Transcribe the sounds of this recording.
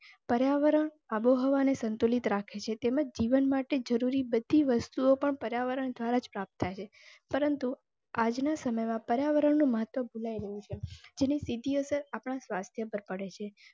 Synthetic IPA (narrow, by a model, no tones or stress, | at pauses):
pəɾjaʋəɾəɳ | aboɦəʋanesənt̪olit̪ɾakʰet͡ʃʰet̪emad͡ʒd͡ʒiʋənmaʈed͡ʒəɾuɾibəd̪ʱiʋəst̪uopəɳpəɾjaʋəɾəɳd̪ʱʋaɾad͡ʒpɾap̚t̪ʰːajt͡ʃʰe | pəɾənt̪u | ad͡ʒnasəməjmãpəɾjaʋəɾəɳnũməɦət̪ʋəbʱulaiɾəɦũt͡ʃʰed͡ʒenisid̪ʱiəsəɾapɳ̃asʋast̪ʰjəpəɾpəɽet͡ʃʰe